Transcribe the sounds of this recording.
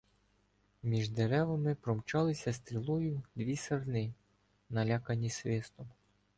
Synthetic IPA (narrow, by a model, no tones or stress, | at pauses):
mʲiʒd̪eɾɛʋɐmɪpɾɔmt͡ʃɑlˠɪsʲɐst̪ɾʲilˠujʊd̪ʋʲisɐrnɪ | nɐlʲɑkɐnʲisʋɪst̪ɔm